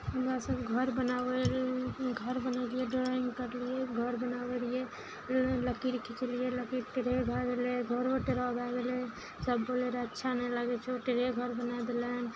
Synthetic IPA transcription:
ʊmasəbɡʱəɾbənaːwe | ɡʱəɾbənalieɖɪɾaɪnkəɾlieɡʱəɾbənaːwelie | ləkiɾəkʰikelieləkiʈeɾeɡʱaɡeleɡʱəɾoʈeɾab̪aɡele | səbːoːleɾaətːʃʰanələɡet͡ʃʰoʈeɾeɡʱəɾbənad̪elen

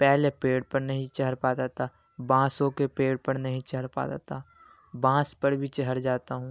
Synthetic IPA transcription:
pɛɦlepeːɽpɐɾnɐɦĩt͡ʃɐɦəɾpaːd̪aːt̪a | bãːsõkepeːɽpɐɾnɐɦĩt͡ʃɐɦəɾpa̰ːd̪a̰ːt̪aː | bãːspəɾbʱit͡ʃɐɦəɾd͡ʒaːt̪aɦũː

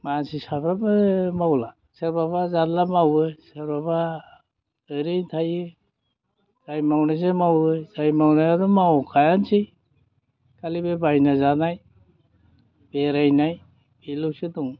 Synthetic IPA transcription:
mansisabɾabɯmawla | seɾbabazanlamawɯseɾbaba | ɯɾɯjtʰajɯ | z̥ajmawnazemawɯjzajmawnajadɔmawkʰajansij | kʰalibebajnazanaj | b̥eɾajnaj | bilɯwsɯdɔŋ

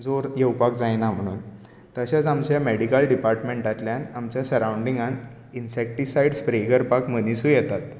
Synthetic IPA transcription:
d͡zoɾjewpakd͡zajnam̤əɽ̃ṵːn | t̪əɕat͡samt͡ɕjameɽikəlɖipaɾʈmẽɳʈat̪ljanamt͡ɕjasəɾawɳɖiŋɡan | insɛk̚ʈisajɖspɾeɡəɾpakmənisuːjɛt̪at̪

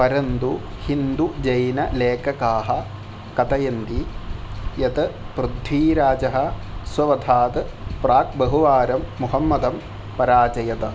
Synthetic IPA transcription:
pɐɾɐnd̪u | hind̪ud͡ʒɐjnɐleːkɐkaːɦɐ | kɐt̪ɐjɐnd̪i | jɐt̪ɨpɾud̪ʱʋiːɾaːd͡ʒɐɦɐ̆ | sʋɐʋɐd̪ʱaːt̪ɨpɾaːk̚bɐɦuʋaːɾɐmːuɦɐmːɐd̪ɐm | pɐɾaːt͡ʃɐjɐt̪ɐ

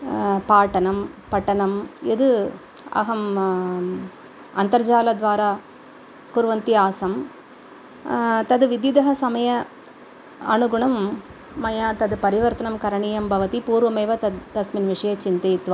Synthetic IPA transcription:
paːʈːɐnɐmpɐʈːɐnɐmɛðɯ | ɐ̰ɦɐm | ɐ̰nt̪ɐɾd͡ʒaːlɐd̪ʋaːɾaː | kʊɾʋɐnt̪iaːsɐm | t̪ɐðɯʋɪd̪jɐd̪ɐɦɐsɐmɐjɐ | ɐnʊɡʊɳɐmː | ɐjaːt̪ɐðɯpɐɾɪʋɐɾt̪ɐnɐmkɐɾɐɳijɐmbʱɐʋɐt̪ipuːɾʋɐmɐɪʋɐt̪ɐd̪ɐsmɪnʋɪʂɐjɐt͡ʃɪnd̪ɐt̪ʋɐ

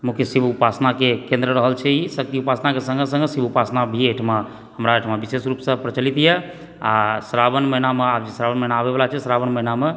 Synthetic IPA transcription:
mukjesibupasnakekẽnd̪ɾəɾəɦəlt͡ʃʰɛisək̚t̪iupasnakesə̃ŋɡesə̃ŋɡesibupasnabʱieʈʰma | həmɾaeʈʰmabisesɾupsə̃pɾət͡ʃəlit̪jɛ | asəɾabənməɦinameabd͡ʒesɾabənməɦinaːbebelat͡ʃʰɛsɾabənməiname

